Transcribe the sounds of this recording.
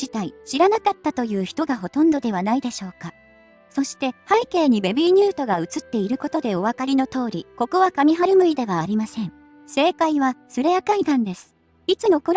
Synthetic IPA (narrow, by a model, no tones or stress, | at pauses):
it̪aiɕiɾanakat̪ːat̪o̞jɯ̟ːçi̥t̪o̞ɡaɦo̞t̪õ̞nd̪o̞d̪e̞β̞anaid̪e̞ɕo̞ːka | so̞ɕi̥t̪e̞haike̞ːɲ̟ibe̞bʲiɲ̟ɨːt̪o̞ɡaɯ̟t͡sɨt̪ːe̞iɾɯ̟ko̞t̪o̞d̪e̞o̞βakaɾʲino̞t̪o̞ːɾʲiko̞koβakamʲiɦaɾɯ̟mɯ̟id̪e̞βaːɾʲimasẽ̞ɴ | se̞ːkaiβasɨɾe̞jakaikãnd̪e̞sɨ̥ | it͡sɨno̞koɾ